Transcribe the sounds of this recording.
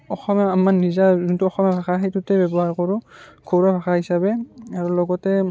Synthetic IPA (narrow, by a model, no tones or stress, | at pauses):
ɔxɔmjaamanizazuntuɔxɔmjabʱaxaɦejtutɛbɛbɔɦaɹkɔɹʊɡʰʱowɹabʱaxaɦisabɛaɹulɔɡɔtɛ